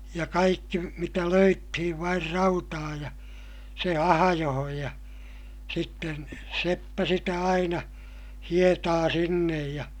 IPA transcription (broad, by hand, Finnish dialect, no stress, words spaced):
jɑ kɑikːi mitæ løytːihiʋ ʋɑir rɑutɑː jɑ se ɑhɑjohoj jɑ sitːen sepːæ sitæ ɑinɑ hietɑː sinːej jɑ